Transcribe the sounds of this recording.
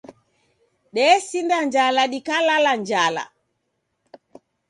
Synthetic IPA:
ɗɛːsindaɲd͡ʒalaɗikalaland͡ʒaːla̰

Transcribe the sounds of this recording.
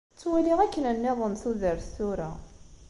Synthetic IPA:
t͡sːwæliʁækːənənːɪðˤənθuðəɾθuɾa

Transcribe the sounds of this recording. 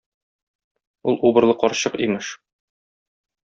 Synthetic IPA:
ulˠubɤ̆ɾlˠɤqɒɾɕɤqimɘʃ

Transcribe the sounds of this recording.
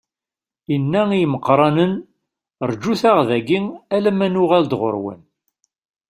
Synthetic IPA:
inːæijməqːɾˤɑnən | ɾˤd͡ʒːuθæʁðæɡiŋælæmænʊʁald̪ʁo̰ɾwə̰n

